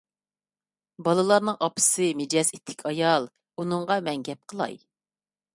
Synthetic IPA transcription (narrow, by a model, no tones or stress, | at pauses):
bɑlˠɨlˠɑɾnɨŋɑpʰɨ̥sɨmed͡ʒɛsit̪ʰːɪ̥kʲʰɑjɑlˠ | unɨɴʁɑmɛŋɡʲɛp̚qʰəlˠɑ̰j